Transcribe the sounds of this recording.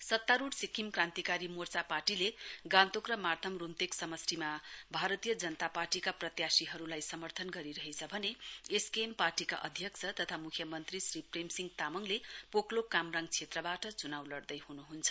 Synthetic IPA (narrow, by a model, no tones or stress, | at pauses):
sʌt̪ːaɾuɽsikʰimkrãnt̪ikaɾimort͡saparʈileɡãnt̪okrʌmart̪ʰʌmrunt̪eksʌmʌsrimabʱaɾʌt̪ijʌd͡zʌnʌt̪aparʈikaprʌt̪jasiɦʌɾulajsʌmʌrt̪ʰʌnɡʌɾiɾʌɦet͡sʰʌbʱʌneeskemparʈika̰ʔʌd̪ʱjʌkt͡sʰʌt̪ʌt̪ʰamukʰjʌmʌnt̪risripremsiŋɡt̪amʌŋlepoklokamraŋt͡sʰet̪rʌbaʈʌt͡sunawlʌrd̪ʌjhunuɦunt͡sʰʌ̥